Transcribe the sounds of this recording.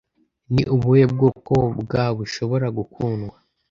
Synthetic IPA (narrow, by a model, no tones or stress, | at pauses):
niʔuβujeb̚ɡoːko̞bɡaβuʃo̞βo̞ɾaɡukʰuːnɡwa